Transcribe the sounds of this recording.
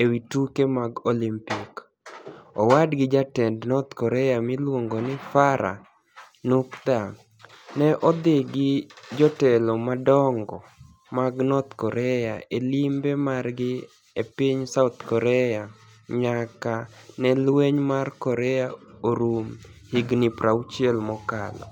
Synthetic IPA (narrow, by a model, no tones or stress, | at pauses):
ewitukemaɡolimpik | ɔwadɡɪd͡ʒatɛndnɔt̪kɔɾɛjamɪlwoŋɡonɪfaɾa̰ | nukd̪a | nɛʔɔd̪ɪɡɪd͡ʒɔtɛlɔmadɔŋɡɔ | maɡnɔt̪kɔɾɛjaelimbemarɡɪ | epiɲsaʊt̪kɔɾɛja | ɲakanɛlweɲmarkɔɾɛjaoɾumhiɡnɪpɾaut͡ʃiɛlmɔkalɔ̰